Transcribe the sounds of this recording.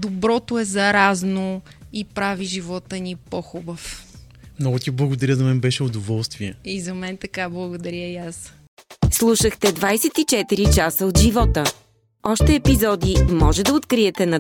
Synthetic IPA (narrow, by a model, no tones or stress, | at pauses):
d̪obɾɔt̪oɛzɐɾaznoipɾaviʒivɔt̪ənipɔxubəf | mnɔɡʊt̪iblˠɐɡod̪ɐɾʲəzɐmɛnbɛʃɛod̪ovɔlˠst̪viɛizɐmɛnt̪ɐkablˠɐɡod̪ɐɾʲəjas | slˠuʃəxt̪ɛd̪vajsɛt̪it͡ʃɛt̪iɾit͡ʃasəod̪ʒivɔt̪ə | ɔʃt̪ɛːpizɔd̪imɔʒɛd̪ɐot̪kɾiɛt̪ɛnɐ